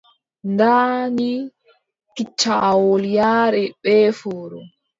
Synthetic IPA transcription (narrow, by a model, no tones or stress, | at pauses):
ndaːni | kit͡ʃːawoljaːɾɛɓɛfɔːɾɔ